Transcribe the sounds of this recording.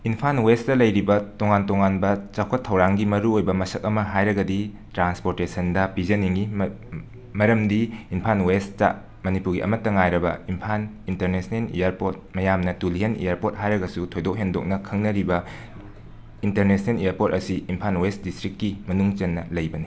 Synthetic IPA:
inpʰanwestɐlɐjɾibɐtoŋantoŋanbɐt͡ʃakʰɐtʰːɐwɾaŋɡimɐɾuojbɐmɐsɐk̚ɐmɐɦajɾɐɡɐdi | tɾanspoɾtesɐndɐpizɐniŋɡi | mɐɾɐmdiimpʰanwest͡ʃa̰ | mɐnipuɾɡiʔɐ̰mɐtːɐŋajɾɐbɐ̰impʰan | inteɾnesnelḭjaɾpot̚mɐjamnɐtuliɦenḭjaɾpot̚ɦajɾɐɡɐsutʰojdok̚ɦendok̚nɐkʰɐŋnɐɾibɐ | inteɾnesʰnelijaɾpot̚ɐsiimpʰanwesdistɾikːimɐnuŋt͡ʃɐnːɐlɐjbɐni

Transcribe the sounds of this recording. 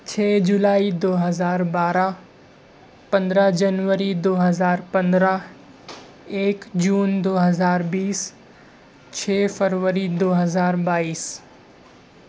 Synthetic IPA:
t͡ɕʰɛːd͡ʑulaːid̪oːɦɐzaːɾbaːɾa | pɐ̃nd̪ɾəɦd͡ʑɐnʋəɾid̪oːɦɐzaːɾpɐ̃nd̪ɾa | eːkd͡ʑuːnd̪oːɦɐzaːɾbiːs | t͡ɕʰɛːfɐɾʋəɾid̪oːɦɐzaːɾbaːiːs

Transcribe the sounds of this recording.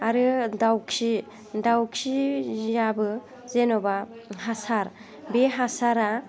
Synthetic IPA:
aɾɯdawkʰi | dawkʰijabɯ | zenɔbaɦasaɾ | beɦasaɾa

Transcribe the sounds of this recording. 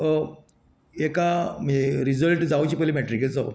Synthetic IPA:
ekam̤ə̃d͡zeɾizəlʈd͡zawt͡ɕiːpəlimɛʈɾiket͡sa̰

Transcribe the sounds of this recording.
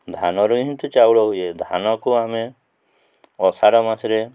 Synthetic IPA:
d̪ʱanɔɾuɦĩnt̪ut͡ʃawɽɔɦujed̪ʱanɔkuame | ɔsaɽɔmasɾe

